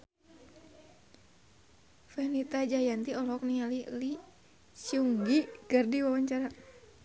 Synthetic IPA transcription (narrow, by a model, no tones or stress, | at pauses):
fɛnit̪ad͡ʒajant̪iɔlɔɔk̚nialili | siuŋɡikərdiwawaɲt͡ʃaɾa